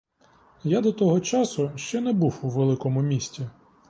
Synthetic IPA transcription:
jad̪ɔt̪ɔɦɔt͡ʃɑsʊʃt͡ʃɛnɛbuwuʋelˠɪkɔmʊmʲisʲtʲi

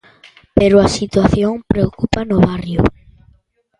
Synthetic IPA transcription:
peɾʊasit̪waθjoŋpɾeokupanʊβarjʊ

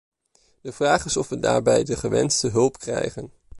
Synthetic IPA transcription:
d̥əv̥raːχɪsɔfʋəda̰ːɹbɛjdəχəʋɛ̰nstəɦɵlˠpkrɛ̰jχən

